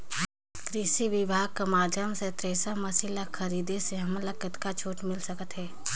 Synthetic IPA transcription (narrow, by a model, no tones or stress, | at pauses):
kɾɪʃiʋɪbʱaːɡ̚kamaːd͡ʒʱjəmset̪ɾeːsəmɐsiləxʰɐɾiːd̪eseɦɐmlɐkət̪kat͡ʃʰoːʈmɪlsɐkət̪ɦɛː